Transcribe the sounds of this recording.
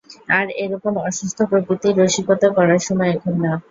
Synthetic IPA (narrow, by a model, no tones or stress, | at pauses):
aɾeɾɔkomɔʃust̪ʰopɾokɾit̪iɾoʃiɡot̪akɔɾaɾʃɔmɔeɛkʰonːa